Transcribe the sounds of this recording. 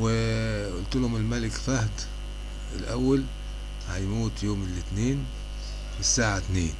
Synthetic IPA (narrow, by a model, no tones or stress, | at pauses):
wɪʔʊlt̪ʊlhʊmɪlmalɪkfahd̪ | ɪlʔawːal | hajmuːt̪joːmɪlɪt̪neːn | ɪsːaːʕat̪neːn